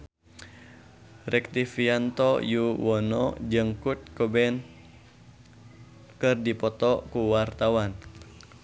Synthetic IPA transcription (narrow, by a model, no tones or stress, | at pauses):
rɛk̚t̪ifiant̪ɔjuwɔnɔ̰d͡ʒəŋkut̪̚kobɛn | kɨrdipɔt̪ɔkuwart̪awan